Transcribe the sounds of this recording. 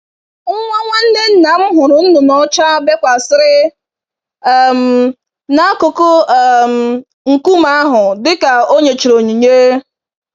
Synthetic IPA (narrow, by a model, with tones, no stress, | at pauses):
ŋ̩˦ŋʷa˦ŋʷa˦n̩˦ne˦n̩˦na˨˦m̩˦ɦʊ˨ɾʊ˨n̩˦nʊ˨mɔ˦t͡ʃa˦be˦kʷa˨sɪ˦ɾɪ˦ | ɛ˦˨m̩˨ | na˦a˦ko˨ko˦˨m̩˨ | ŋ̩˨ku˦ma˦a˦ɦʊ˨dɪ˦ka˨o˦ɲe˨t͡ʃi˨ɾo˨ɲi˨ɲe˦